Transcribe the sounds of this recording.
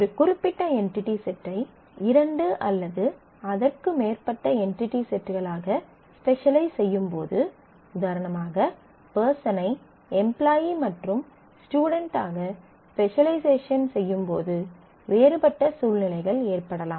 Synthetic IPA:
ɔɾɯkʊɾɪpːɪʈːɐɛɳʈɪʈːisɛʈrɐɪ | ɪɾɐɳɖɯʔɐlːɐðɯ | ɐðɐrkɯmeːrpɐʈːɐɛɳʈɪʈːisɛʈrɣɐɭaːɣɐ | spɛʂɐlɐɪsɛjːɯmpo̰ːðɯ | ʊðaːɾɐnɐmaːɣɐ | pɛːɾsɐnɐɪ | ɛmplaːjimɐʈrɯm | sʈjuːɽɐɳʈaːɣɐ | spɛʂɐlɐɪseːʂɐnsɛjːɯmpo̰ːðɯ | ʋeːɾɯpɐʈːɐsuːlnɪlɐɪɣɐɭeːrpɐɽɐlaːm

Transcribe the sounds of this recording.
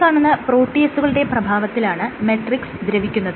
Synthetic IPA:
aːɳunːɐpro̞ːʈːiesuɣɐɭuɽe̞prɐbʱaːʋɐt̪ːilaːɳɨmeʈriksd̪ɾɐʋikʲːunːɐðɨ

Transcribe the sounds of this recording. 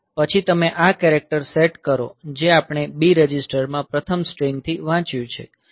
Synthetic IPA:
pət͡ʃʰit̪əmeʔakɛɾek̚ʈəɾseʈkəɾo̰d͡ʒeapɳ̃ebiɾəd͡ʒisʈəɾmãpɾət̪ʰəmsʈɾeŋɡ̚t̪ʰiʋãt͡ʃjũt͡ʃʰḛ

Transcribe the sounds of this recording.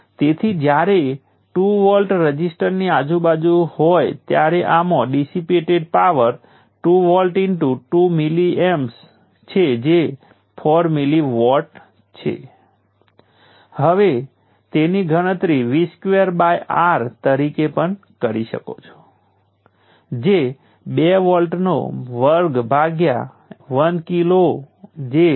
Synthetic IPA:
t̪et̪ʰid͡ʒjaɾe | ʈuʋɔlʈɾəd͡ʒisʈəɾniad͡ʒubad͡ʒuhojt̪jaɾeʔamõɖisipeʈeɖpaʋəɾ | ʈuʋɔlʈiɳʈuʈumiliems | t͡ʃʰed͡ʒe | pʰɔɾmiliʋɔlʈ | t͡ʃʰḛ | həʋe | t̪eniɡʱəɽ̃ət̪ɾiʋiskʋeəɾbajʔaɾt̪əɾikepəɳ | kəɾiʃə̰ko̰t͡ʃʰo̥ | d͡ʒe | beʋɔlʈno̰ʋəɾɡbʱaɡja̰ | ʋənkilo | d͡ʒe

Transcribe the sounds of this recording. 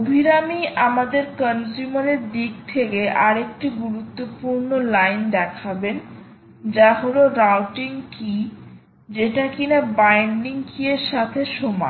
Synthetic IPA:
obʱiɾamiʔamad̪eɾkənsumaɾeɾd̪ik̚t̪ʰekeʔaɾek̚ʈiɡuɾut̪ːopuɾnolajnd̪ɛkʰaben | d͡ʑaɦoloɾawʈiŋki | d͡ʑeʈakinabajnɖiŋkʰieɾʃat̪ʰeʃoma̰

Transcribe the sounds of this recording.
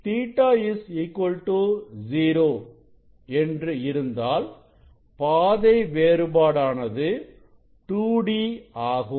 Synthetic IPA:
t̪iːʈːaːɪsɪkːwɔlʈuziːɾoː | ɛndrɯɪɾɯnd̪aːl | paːðɐɪʋeːɾɯbaːɽaːnɐðɯ | ʈuːɽiaːɣɯm

